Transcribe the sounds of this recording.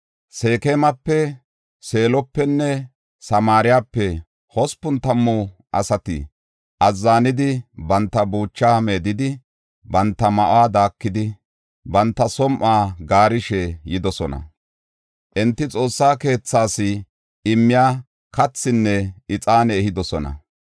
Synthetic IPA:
se̞ːkeːmɐpːɛ | se̞ːlɔpːɛnːɛ | sɐmaːɾɪjaːpːɛ | hɔspːʊnt̪ɐmːʊʔɐ̰sɐt̪ɪ̰ | ʔɐzːaːnɪd̪ɪbɐnt̪ːɐbuːt͡ʃːaːme̞ːd̪ɪd̪ɪ | bɐnt̪ːɐmɐʔaːd̪aːkːɪd̪ɪ | bɐnt̪ːɐsɔmʔaːɡaːɾɪʃɛjɪd̪ɔsɔnɐ̰ | ʔɛnt̪ːɪt͡sʼo̞ːsːaːke̞ːt͡sːaːsɪ | ɪmːɪjaː | kɐt͡sːɪnːɛɪt͡sʼaːnɛːhɪd̪ɔsɔnɐ̰

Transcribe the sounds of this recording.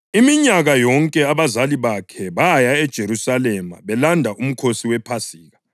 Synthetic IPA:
imiɲaɣajɔŋkʼɛaβazaliβakʰɛβajaɛd̥ʒ̥ʱeɾusalɛma̰βɛlandʱaʔum̩kʰosiwɛpʰasiːɣa

